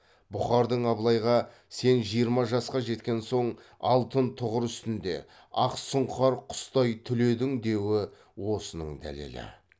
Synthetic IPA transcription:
bʊχɑɾd̪əɴɑblˠɑjʁɑ | se̞nʒijəɾmɑʒɑsqɑʒe̞t̪kʲe̞nso̞ɴ | ɑ̰lˠt̪ənt̪ʰʊʁəɾʏst̪ɪnd̪e̞̰ | ɑqsʊɴɑɾqʰʊ̥st̪ɑjt̪ʰʏle̞d̪ɪŋd̪e̞wɪ | wo̞sənəɴd̪æ̰lḛlɪ̰

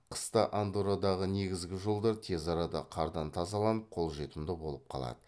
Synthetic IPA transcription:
qʰə̥st̪ɑʔand̪uɾad̪ɑʁəne̞ɡʲɪzɡʲɪʒo̞lˠd̪ɑɾt̪ʰe̞zɑɾɑd̪ɑ̰qʰɑɾd̪ɑnt̪ʰɑzɑlˠɑnəp̚qʰo̞lˠʒe̞t̪ɪmd̪ɪbo̞lˠəp̚qʰɑ̰lˠɑ̰d̪ə

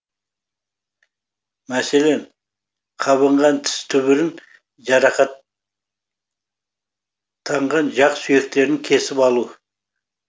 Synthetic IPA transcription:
mæse̞le̞n | qʰɑβəɴʁɑnt̪ʰɪ̥st̪ʰʏβɪɾɪŋ | ʒɑɾɑqɑ | t̪ʰːɑɴʁɑnʒɑqsʏje̞k̚t̪e̞ɾɪŋkʲʰe̞sɪpɑlˠu

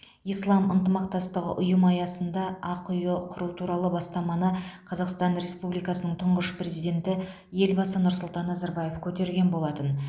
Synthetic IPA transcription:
ijslˠɑmənt̪əmɑqt̪ɑst̪əʁə̰ʔʊjəmɑjɑsənd̪ɑɑqʰʊjəqʰʊɾut̪ʰuɾɑlˠəbɑst̪ɑmɑnəqʰɑzɑqst̪ɑnɾe̞spublijkɑsənəɴt̪ʰʊɴʁəʃpre̞zijd̪ʲe̞nt̪ɪ | je̞lbɑsənʊɾsʊlˠt̪ɑnːɑzɑɾbɑje̞fkʲʰɵt̪e̞ɾɡʲe̞nbo̞lˠɑt̪ən

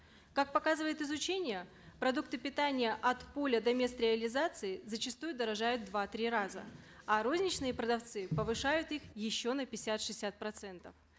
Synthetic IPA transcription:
kak̚pɐkazɨvəjɪt̪ɨzʊt͡ɕenʲɪjə | pɾɐd̪uk̚t̪ɨpʲɪt̪anʲɪjəʔɐt̪po̞lʲəd̪ɐmʲe̞st̪ɾʲɪɐlʲɪzat̪sɨɪzət͡ɕɪst̪ujʊd̪əɾɐʐajʊt̪̚d̪vat̪ɾʲiɾazə̰ɐɾo̞zʲnʲɪt͡ɕnɨjəpɾəd̪ɐft̪sɨpəvɨʂajʊt̪ixjɪɕːo̞nəpʲɪsʲat̪ʂɨsʲat̪̚pɾɐt̪sɛnt̪əf

